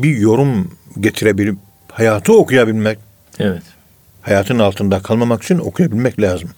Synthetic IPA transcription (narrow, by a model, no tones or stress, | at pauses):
bijo̞ɾumɟet̪ʰiɾebilʲip̚ | hajaːt̪ʰɯokʰujabilʲmɛc̚ | ɛvɛt̪ | hajaːt̪ʰɯnalˠt̪ʰɯnd̪akʰalˠmamaki̥t͡ʃʰino̞̰kʰujabilʲmɛclʲaːzɯm